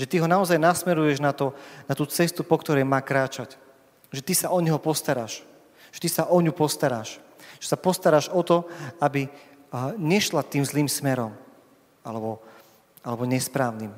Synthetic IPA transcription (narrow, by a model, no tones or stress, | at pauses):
ʒɛt̪iɦɔnaɔzajnasmɛɾujɛʒnat̪ɔnat̪uːt͡sɛst̪upɔkt̪ɔɾɛjmaːkɾaːt͡ʃac | ʒɛt̪isaʔɔɲɛɦɔpɔst̪aɾaːʃ | ʒɛt̪isaʔɔɲupɔst̪aɾaːʃʒ̥ɛsapɔst̪aɾaːʒɔt̪ɔabi | ɲɛʃlat̪iːmzliːmsmɛɾɔm | alɛbɔ | alɛbɔɲɛspɾaːʊnim